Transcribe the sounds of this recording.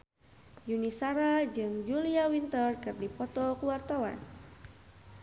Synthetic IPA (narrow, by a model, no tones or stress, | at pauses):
junisaɾad͡ʒɨŋd͡ʒuliawint̪ərkər̚dipɔt̪ɔkuwart̪awa̰n